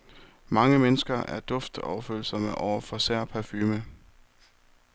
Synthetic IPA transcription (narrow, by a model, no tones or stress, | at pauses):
mɑ̈ŋəmenəsɡ̥ɐæɐd̥ɔ̽fd̥ɒ̰ʊɐføːl̩sɒməʔɒʊ̰ɐfɒ̽sæɐ̰pʰæɐfyːmə